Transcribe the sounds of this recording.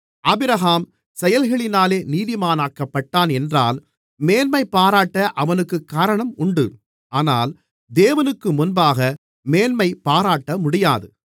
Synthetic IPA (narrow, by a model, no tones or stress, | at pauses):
ʔɐbɪɾɐɦaːm | sɛjɐlɣɐɭɪnaːleːniːðɪmaːnaːkːɐpːɐʈːaːnɛndraːl | meːnmɐɪpːaːɾaːʈːɐʔɐʋɐnɯkːɯkːaːɾɐɳɐmʊɳɖɯ | aːnaːl | d̪eːʋɐnɯkːɯmʊnbaːɣɐ | meːnmɐɪpaːɾaːʈːɐmʊɽɪjaːðɯ